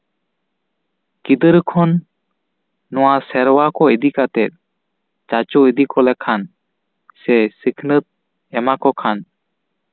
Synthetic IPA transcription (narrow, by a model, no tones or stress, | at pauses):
kid̪əɾkʰɔn | ɔwasɛɾwakɔed̪ikat̪ɛt̪̚ˀ | t͡ʃat͡ʃɔed̪ikɔlɛkʰan | sɛsikʰnət̪̚ | ɛmakɔkʰan